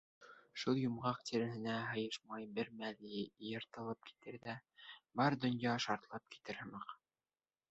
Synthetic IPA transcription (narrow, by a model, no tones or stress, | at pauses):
ʃulˠjŭmʁɑqt̪ʰiɾɘ̆ɦɘ̆næɦɤ̆jɤʃmɑjbɘɾmælɘjɤ̆ɾt̪ɤ̆lˠɤp̚ki̥t̪ɘɾðæbɑɾd̪ŏnjɑʃɑɾt̪lˠɑp̚ki̥t̪ɘɾhɤ̆mɤq